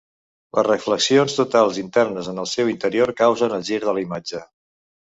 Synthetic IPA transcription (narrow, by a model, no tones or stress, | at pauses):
lə̰zrəfləksionst̪ut̪alˠzint̪ɛrnəzənəlˠsɛwint̪əɾioɾkawzənəlˠʒiɾðəlimad͡ʒə